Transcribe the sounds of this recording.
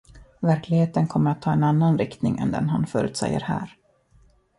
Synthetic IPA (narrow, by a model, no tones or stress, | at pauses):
væɾklɪɡheːt̪ənkʰɔmːəɾat̪ʰːɑːɛnanːanɾɪkt̪nɪŋɛ̰nd̪ɛ̰nɦanfœːɾʉ̟ːt̪sɛ̰jːəɾhæ̰ːɾ